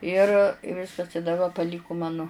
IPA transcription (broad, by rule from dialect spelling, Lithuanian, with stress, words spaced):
ɪr ɪ ˈʋʲɪskɐs ɪ dɐˈbɐ pɐˈlʲiːkʊ ˈmɑːnʊ